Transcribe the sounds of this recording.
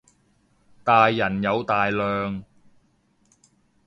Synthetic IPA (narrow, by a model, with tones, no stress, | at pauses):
t̪aː˨jːɐ˨˩njɐ˨˧wt̪aː˨jlœː˨˧ŋ